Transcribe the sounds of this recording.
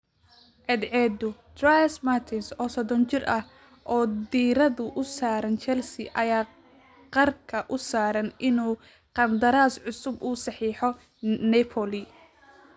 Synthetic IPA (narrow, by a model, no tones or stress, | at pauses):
ʕɛd̪ʕɛd̪ʊd̪rajsmart̪ʰɪnsɔːsɔðɔnt͡ʃɪrʔɐh | ʔɔːd̪iːɾɐðʊʔʊsaːɾɐnt͡ʃɛlsɪʔɐjaː | qɑrkʰɐʔʊsaːɾɐnʔɪnuː | qɑnd̪ɐɾaːsʕʊsʊbuːsɑħiːħɔ | nɛpʰɔlɪ